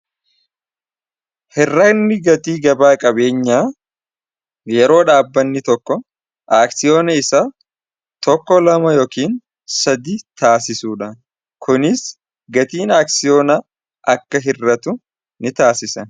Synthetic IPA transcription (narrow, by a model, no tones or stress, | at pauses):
hɪrːɐnːɪɡɐt̪iːɡɐbaːkʼɐbe̞ːɲːaː | jɛɾo̞ːᶑaːbːɐnːɪt̪ɔkːɔ | ʔaːksɪjo̞ːnɐɪsa | t̪ɔkːɔlɐmɐjoːkiːn | sɐd̪ɪt̪aːsɪsuːᶑɐ | kʰʊnɪs | ɡɐt̪iːnaːksɪjoːnɐ | ʔɐkːɐɦɪrːɐt̪ʊ | nɪt̪aːsɪsɐ